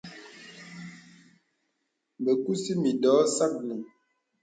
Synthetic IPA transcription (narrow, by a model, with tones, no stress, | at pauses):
bə˨ku˦si˦mi˨dɔː˨˦sa˦k̚ni˨